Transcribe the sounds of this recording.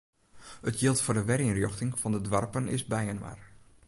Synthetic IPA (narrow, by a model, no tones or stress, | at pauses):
ətjɪlˠtfʊːdəʋɛriənrjoxtɪŋfɔndədʋarpənɪ̰sbɛjənʋa̰r